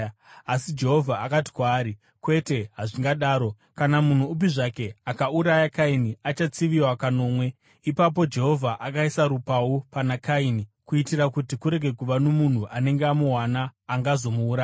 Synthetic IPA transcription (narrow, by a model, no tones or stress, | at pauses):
asid͡ʒe̞ɦo̞vʱaakati̥kwaːɾi | kwe̞te̞ɦaʐiŋɡaɗaːɾo̞ | kanamun̤uːp̬iʐake̞akauɾajakainiat͡ʃat͡siʋiwakano̞ːmwe̞ | ipap̬o̞d͡ʒe̞ɦo̞vʱaʔakaisaɾupawopanakainikuitirakutikuɾe̞ɡʱe̞kuʋanomun̤uʔane̞ŋɡeamuɦwanaːŋɡazo̞muːɾa